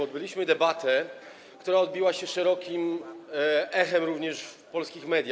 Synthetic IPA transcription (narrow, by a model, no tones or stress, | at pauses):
ɔd̪̚bɘlʲiɕmɘd̪ɛbat̪ɛ | kt̪uɾaɔd̪̚bʲiwaɕɛʂɛɾɔkʲim | ɛxɛmɾuvɲɛʂfpɔlskʲixmɛd̪ʲja